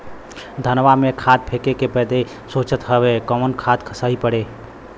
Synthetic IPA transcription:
d̪ʱənʋamekʰad̪̚pʰekekepəd̪e | soːt͡ʃət̪ɦəbekəmənkʰad̪kʰəsaipəɽe

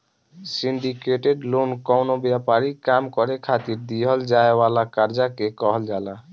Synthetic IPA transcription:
siɳɖikeʈeɖlonkɔwnobjapaɾikamkɔɾekʰat̪iɾd̪iɦəld͡ʒaewalakaɾd͡ʒakekɔɦəld͡ʒala

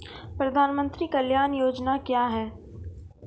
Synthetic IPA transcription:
pɾɐd̪ʱaːnmə̃nt̪ɾikɐljaːnjoːd͡ʒnakjaːɦɛː

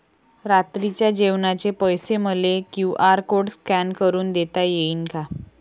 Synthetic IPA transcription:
ɾat̪ɾit͡ɕjad͡ʑeʋnat͡ɕepəjseməlekjũʔaɾkoɽskænkəɾuːnd̪et̪ajeiːnka

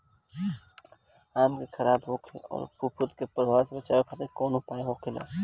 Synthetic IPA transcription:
aːmkekʰɐɾaːbɦoːkʰeɔ̰ːɾpʰupʰʊt̪kepɐɾʋaːɾsebɐt͡ʃaːkʰat̪ekoːnũpaːeɦoːkʰɪla̰ː

